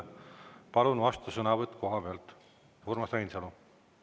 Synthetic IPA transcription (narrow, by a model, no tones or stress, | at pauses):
pɑlunuɑst̪usɤnɑvɤt̪ːˑko̞ɦɑbeɑlt̪ | hurmɑsræjnsɑnu